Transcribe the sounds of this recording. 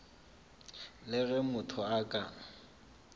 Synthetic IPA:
lɪɣɛmʊtʰɔakʼa

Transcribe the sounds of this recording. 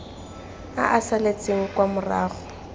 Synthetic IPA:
a̰ʔasalet͡sʼeŋ̩kwamʊra̰ːχʊ

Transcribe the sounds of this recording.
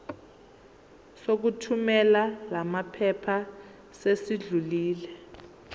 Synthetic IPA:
sok̬utʰumɛlalamapʰɛpʰa | sesiɮuliːlɛ

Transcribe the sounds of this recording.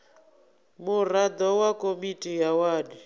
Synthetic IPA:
murad̪ɔwakʼomitʼijawaːdi

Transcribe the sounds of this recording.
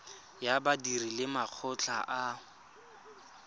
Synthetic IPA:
jabadirilɪmaq͡χʰʊt͡ɬʰaʔa

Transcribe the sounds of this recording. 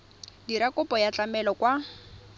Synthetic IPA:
diɾakʊpʼɔjat͡ɬamɛlɔkwa

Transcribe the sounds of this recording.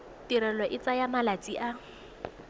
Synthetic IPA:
tiɾɛlɔʔɪt͡sajamalat͡sʼiʔa

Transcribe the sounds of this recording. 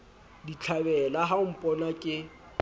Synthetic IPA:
dit͡ɬʰabɛlaɦaʊm̩pʼɔnakʼɪ

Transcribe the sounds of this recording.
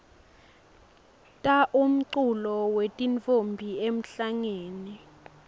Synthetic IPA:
tʼaʔum̩ǀulɔwetʼint͡fʼombʱiem̩ɬaŋeːni

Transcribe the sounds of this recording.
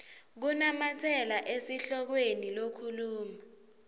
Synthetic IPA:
k̬unamatʰɛlaʔesiɬɔk̬wenilokʰuluːma

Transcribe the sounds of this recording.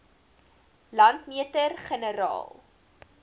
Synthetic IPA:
lɐntmiətərχənəɾɑ̰ːlˠ

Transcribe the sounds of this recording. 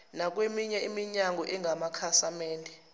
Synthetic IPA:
nak̬wemiɲɛimiɲaŋʱɔʔɛŋʱamakʰasamɛːndʱɛ

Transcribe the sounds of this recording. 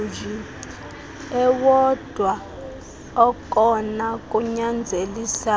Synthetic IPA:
d͡ʒi | ɛwɔd̥ʱwa | ɔkʼɔnak̬ʼuɲand͡zʱelisa

